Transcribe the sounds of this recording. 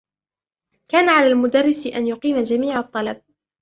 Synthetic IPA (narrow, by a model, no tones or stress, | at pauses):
kaːnaʕalaːlmʊd̪arːɪsʔanjʊqiːmad͡ʒamiːʕɑt̪ˤːɑlɑb̚